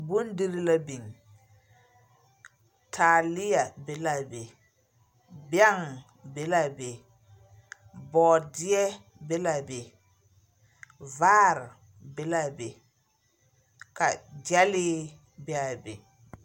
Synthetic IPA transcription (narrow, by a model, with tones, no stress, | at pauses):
bu˦ndi˦ɾi˦la˦bi˨ŋ | tʰa˨li˦ja˨be˨˦la˨be˨ | bja˦ŋ | be˨la˨be˨ | bɔː˨di˦ɛ˦ | be˦la˨be˨ | vaː˦ɾ | be˦la˨be˨ | ka˨d͡ʒa˦li˦ | bɛ˦a˨bḛ˨